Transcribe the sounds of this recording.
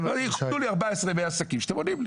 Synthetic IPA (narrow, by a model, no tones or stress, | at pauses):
aliuliaʁbaesʁemejasakimʃe̥at̪emodiml